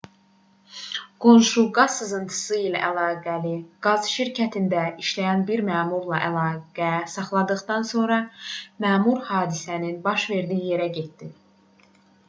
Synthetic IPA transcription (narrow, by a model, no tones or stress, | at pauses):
ɡ̥o̞nʃuɡɑzsɯzɯnt̪ʰɯ̥sɯilæ̰ʔælɑːɡæliɡ̥ɑzʃiɾcʰæt̪ʰind̪æiʃlæjænbiɾmæːmuɾlˠɑʔælɑːɡ̥æsɑχlˠɑd̪ɯχd̪ɑnso̞nɾɑmæːmuɾhɑːd̪isæninbɑʃve̞ɾd̪iːije̞ɾæɟe̞t̪̚d̪̥i